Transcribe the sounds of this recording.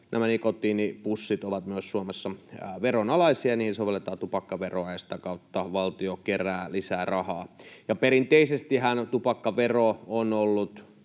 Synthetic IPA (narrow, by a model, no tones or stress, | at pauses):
nʔæ̰mænikot̪ˑiːnipusːit̪oʋɑt̪myøssuomesːɑʋeronɑlɑisiɑniːhinsoʋelːet̪ɑːt̪upɑkːɑʋeroɑjɑsi̥t̪ækɑut̪ːɑʋɑlt̪iokeræːlisæːrɑhɑːjɑpeɾint̪eisest̪ihænt̪upɑkːɑʋeroonolːut̪